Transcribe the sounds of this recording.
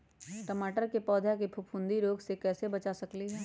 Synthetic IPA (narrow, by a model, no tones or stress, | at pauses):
ʈəmaːʈəɾkepɔːd̪ʱjakepʰʊpʰʊ̃nd̪iɾoːɡsekɛːsebɐt͡ʃasɐkliɦɛː